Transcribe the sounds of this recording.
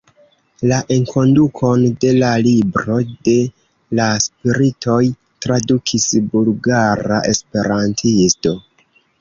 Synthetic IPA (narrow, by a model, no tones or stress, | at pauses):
laʔeŋkʰo̞ndukʰo̞nde̞lalibɾo̞de̞ | laspiɾitʰo̞j | tɾadukʰisbulɡaɾa̰ʔe̞spe̞ɾantʰisto̞